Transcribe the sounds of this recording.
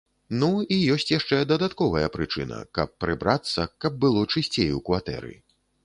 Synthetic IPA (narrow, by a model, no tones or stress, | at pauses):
nuijɔsʲt͡sʲjaʂt͡ʂɛd̪ɐd̪at̪kɔvɐjɐpɾɨt͡ʂɨnɐ̰kɐ̰pːɾɨbɾat̪sːɐkɐb̚ːɨlˠɔt͡ʂɨsʲt͡sʲejṵkvat̪ɛ̰ɾɨ̰